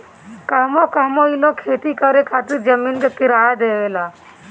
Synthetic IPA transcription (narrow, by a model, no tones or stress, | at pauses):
kəɦmokəɦmoilokʰeːt̪ikəɾekʰaːt̪ɪɾd͡ʒəmiːnkekɪɾaːad̪eːʋeːlaː